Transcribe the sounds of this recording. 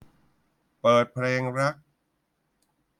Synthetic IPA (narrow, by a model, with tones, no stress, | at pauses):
pɤː˨˩t̪̚pʰleː˧ŋɾa˦˥k̚